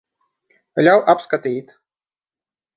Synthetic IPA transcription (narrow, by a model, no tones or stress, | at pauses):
lʲawʔapskat̪ʲijt̪